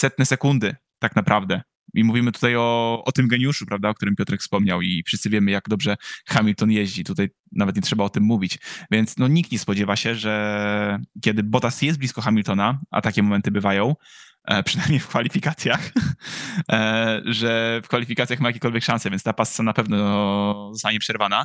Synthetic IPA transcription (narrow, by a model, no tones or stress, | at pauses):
sɛt̪nɛsɛkund̪ɘ | t̪aknapɾʔavd̪ɛ | ʔimuvʲimɘt̪u̥t̪ajɔɔt̪ɘmɡɛɲjuʂupɾavd̪aɔkt̪uɾɘmpʲjɔt̪ɾɛkfspɔmɲawifʂɘst̪sɨvʲjɛmɘjaɡd̪ɔbʐɛxamʲilt̪ɔnjɛʑd͡ʑit̪ut̪aj | navɛt̪ɲɛtʂɛbaɔt̪ɘmːuvʲit͡ɕvʲjɛnt̪snɔɲik̚t̪̚ɲɛspɔd͡ʑɛvaɕɛʐɛ | kʲɛd̪ɘbɔt̪asjɛst̪blʲiskɔxamʲilt̪ɔnaʔa̰t̪akʲɛmɔmɛnt̪ɘbɘvajɔ̃w̃ | pʂɛnajmɲejfkfalʲifʲikat̪sʲjax | ʐɛfkfalʲifʲikat̪sʲjaxmajakʲekɔlvʲjɛkʂãnsɛvʲjɛntst̪apasːanapɛvnɔzɔst̪aɲɛpʂɛɾvana